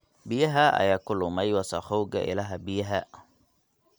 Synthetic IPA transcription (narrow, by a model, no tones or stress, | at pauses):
bijɦaːʔa̰jakʊlʊmajwasaxowɡa̰ʔɪ̰laɦabiɦa